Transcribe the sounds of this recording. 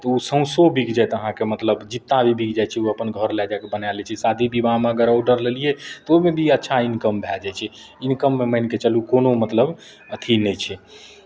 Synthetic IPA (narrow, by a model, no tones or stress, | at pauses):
t̪ɔusə̃ʊ̃sobʱikd͡ʒajt̪əɦãkemət̪ləbd͡ʒit̪ːabʱibʱikd͡ʒajt͡ʃʰɛuəpənɡʱəɾlɛd͡ʒajkebənalɛt͡ʃʰɛsad̪ʱibibameəɡəɾoɖəɾlelijet̪ɔomebʱiətːʃʰainkəmbʱɛld͡ʒajt͡ʃʰɛ | inkəmːeməɪnket͡ʃəlukonomət̪ləb | ət̪ʰinɛt͡ʃʰɛ